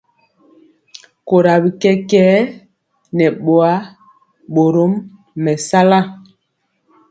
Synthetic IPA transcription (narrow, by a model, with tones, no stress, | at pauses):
ko˨ɾa˨bi˨kɛ˦kɛː˦ | nɛ˨ɓo˨a˨˦ | ɓo˨ɾo˦mː | ɛ˨sa˦la˦